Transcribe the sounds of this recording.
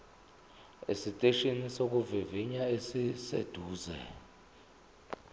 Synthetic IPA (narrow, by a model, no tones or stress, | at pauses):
ḛsitʼeʃinisok̬ʼuviviɲaesisḛd̥ʱuːzɛ̰